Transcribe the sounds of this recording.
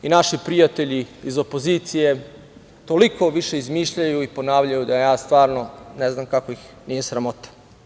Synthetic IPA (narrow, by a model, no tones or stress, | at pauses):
inaʃipɾijat̪e̞ʎiizo̞po̞ziːt̪sije̞ | t̪o̞likʰo̞ʋiʃe̞izmiːʃʎajuipo̞naːʋʎajud̪ajaːst̪ʋaːɾno̞neznamkakoix | nije̞sɾamo̞t̪ḁ